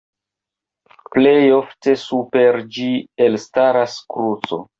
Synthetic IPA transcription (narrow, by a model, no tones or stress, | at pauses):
ple̞jo̞fte̞supe̞ɾd͡ʒielstaɾaskɾut͡so̰